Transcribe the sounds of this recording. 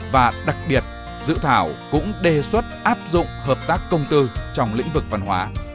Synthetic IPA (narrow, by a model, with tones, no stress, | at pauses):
vaː˨˩ɗa˨˩k̚ɓi˨˩ət̚ | zɨ̰˧˨t̪ʰaː˧˩wkʊ̰˧˥ŋ͡mɗe˨˩swə˦˥t̚ʔaː˦˥p̚zʊ̰˧˨ŋ͡mhəː˨˩p̚t̪aː˦˥kːə˧wŋ͡mt̪ɨ˧t͡ɕɔ˧wŋ͡mlḭ̈˧˥ŋ̟vɨ˨˩k̚va˧nhɦwaː˨˦